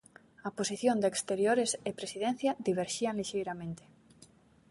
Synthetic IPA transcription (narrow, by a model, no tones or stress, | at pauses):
ɐposiθjond̪ekst̪eɾjoɾesepɾesiðen̟θjɐd̪iβeɾʃiaŋliʃejɾamẽnt̪e̥